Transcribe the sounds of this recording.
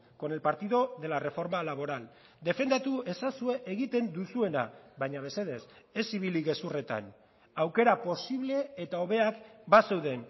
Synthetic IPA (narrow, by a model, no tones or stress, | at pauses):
ko̞ne̞lpaɾt̪iðo̞ðe̞lare̞fo̞ɾmalaβ̞o̞ɾal | d̪e̞fe̞nd̪at̪ue̞sasue̞ʔeɣit̪e̞nd̪usue̞na̰βaɲaβe̞seðe̞s | e̞siβ̞iliɣe̞sure̞t̪a̰n | awke̞ɾapo̞siβle̞ːt̪ao̞β̞e̞akbase̞wðe̞n